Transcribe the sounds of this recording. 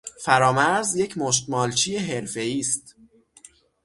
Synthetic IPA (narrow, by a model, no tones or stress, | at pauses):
fæɾɒːmæɾzje̞cʰmoʃ̬t̪mɒːlt͡ʃʰiːje̞ɦe̞ɾfe̞iːst̪̚